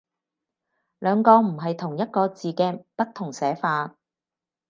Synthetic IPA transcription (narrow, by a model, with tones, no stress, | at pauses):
lœː˨˧ŋkɔː˧m̩˨˩ɦɐ˨jt̪ʰʊ˨˩ŋjɐ˥t̚kɔː˧t͡siː˨kɛː˧pɐ˥t̚t̪ʰːʊ˨˩ŋsɛː˨˥faː˧t̚